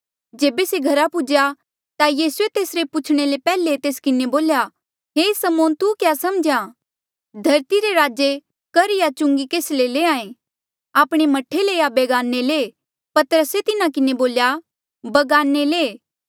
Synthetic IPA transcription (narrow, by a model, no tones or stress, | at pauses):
d͡ʒeːbeseɡʱɐɾapʊd͡ʒja | t̪ajiːsuet̪eːsɾepʊt͡ʃʰɽ̃elepɛːlet̪eːskɪneboːlja | ɦeːsɐmoːnt̪ukjaːsɐmd͡ʒã | d̪ʱɐɾt̪iɾeɾaːd͡ʒe | kɐɾɪjat͡ʃʊ̃ŋɡikeːsleleːãːẽ | aːpɽ̃emɐʈʰːeleːabeːɡaːnːele | pɐt̪əɾəset̪ɪnakɪneboːlja | bɐɡaːnːeleː